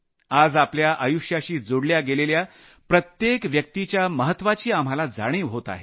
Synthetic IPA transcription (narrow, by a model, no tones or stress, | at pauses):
ad͡zapljaʔajuʂjaɕiːd͡zoɽljaɡelelja | pɾət̪jekʋjək̚t̪it͡ɕjaməɦət̪ːʋat͡ɕiːam̤alad͡zaɽ̃iːɦot̪a̰ɦe